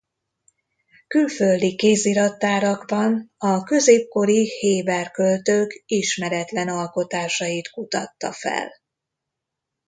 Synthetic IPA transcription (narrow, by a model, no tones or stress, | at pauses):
kylføld̪ikeːziɾɒt̪ːaːɾɒɡbɒnɒkø̞zeːp̚ko̞ɾiheːbɛrkølt̪øːkiʃmɛɾɛt̪lɛnɒlko̞t̪aːʃɒjit̪kut̪ɒt̪ːɒ̰fɛ̰l